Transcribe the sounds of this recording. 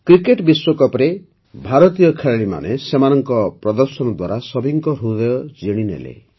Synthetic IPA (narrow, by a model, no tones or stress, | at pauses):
kɾikeʈbiswokɔpɾe | bʱaɾɔt̪ijɔkʰeɭaɭima̰nesemanɔŋkɔpɾɔd̪ɔɾsɔnɔd̪waɾasɔbʱiŋkɔɾud̪ɔjɔd͡ʒiɽ̃inḛlḛ